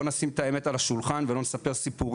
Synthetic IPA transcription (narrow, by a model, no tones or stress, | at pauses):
onasimt̪aemet̪alaʃulχanvelo̞nesape̞ʁsipuʁ